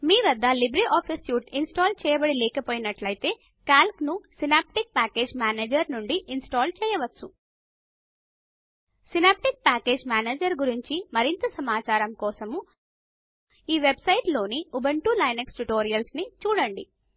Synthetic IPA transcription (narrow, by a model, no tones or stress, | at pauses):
miːʋɐd̪ʱːɐlibɾiʔaːpʰisjuːʈinsʈaːlt͡ʃɛːjɐbɐɽilɛːkɐpoːjinɐʈlɐjt̪e̞ː | kaːlknusinaːp̚ʈik̚paːke̞ːd͡ʒmaːneːd͡ʒɐɾnuɳɖiʔinsʈaːlt͡ʃɛːjɐʋɐːu | sinaːp̚ʈik̚paːke̞ːd͡ʒmaːneːd͡ʒɐɾɡuɾiɲt͡ʃimɐɾint̪ɐsɐmaːt͡ʃaːɾɐmkɔːsɐmu | iːʋebsɐjʈlo̞ːniubɐɳʈuːlɐjnɐksʈuʈoːɾijɐlsnit͡ʃuːɽɐɳɖi